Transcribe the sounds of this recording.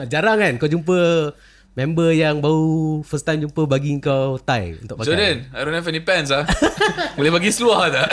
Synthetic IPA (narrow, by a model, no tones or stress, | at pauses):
d͡ʒaɾaŋkankawd͡ʒump̬ə | mɛ̃mbəjaŋbaufəst̪ajmd͡ʒumpəbaɡiŋkawt̪ajṵnt̪ʊkpad͡ʒodənajɾonafɛndipɛns̬a | bolɛbaɡisluahd̪a